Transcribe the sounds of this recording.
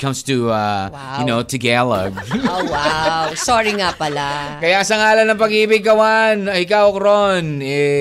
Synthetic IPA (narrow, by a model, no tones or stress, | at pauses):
kʰʌ̃mst̪uʌ | jɨnoʊt̪ʰɨɡɛlˠɐ̰ɡowawsɔɹiŋapɐlakɐjasɐŋaːlɐnːɐŋpɐɡiːbɪɡ̚kɐwanɐɪkawkɾonɛ